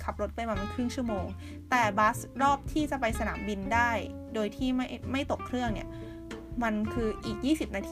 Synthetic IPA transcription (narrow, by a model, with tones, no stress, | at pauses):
kʰa˨˩p̚ɾo˦˥t̪̚pa˧jwaː˧ma˧˩kʰɾɯ˥˩ŋt͡ɕʰu˥˩əmoː˧ŋ | t̪ɛː˨˩baː˦˥sɾɔː˥˩p̚t̪ʰiː˥˩t͡ɕa˨˩pa˧jsa˧na̰ː˩˦mbi˧ndaː˥˩j | doː˧jt̪ʰiː˥˩ma˥˩jma˥˩jt̪o˨˩kʰɾɯ˥˩əŋni˥˩ɐ | ma˧nkʰɯː˧ʔiː˨˩k̚jiː˥˩si˨˩p̚naː˧t̪ʰː